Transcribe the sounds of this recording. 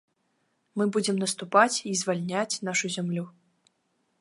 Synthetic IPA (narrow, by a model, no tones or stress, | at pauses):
mɨbud͡zʲɛmnɐst̪upat͡sʲizvalʲnʲat͡sʲnaʂuzʲamlʲu